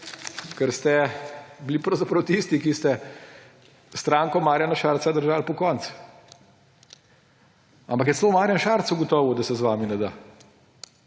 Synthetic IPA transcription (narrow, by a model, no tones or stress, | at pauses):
kəɾst̪ɛblipɾɐwzapɾɐwt̪ist̪ikist̪ɛ | st̪ɾaːŋkɔmaːɾjanaʃaːɾt̪sad̪əɾʒalpɔkɔnt̪s | ampɐk̬jɛt̪t͡s̪slomaːɾjanʃaɾt̪suɡɔt̪ɔʋud̪ɐsɛzʋaːminɛd̪a̰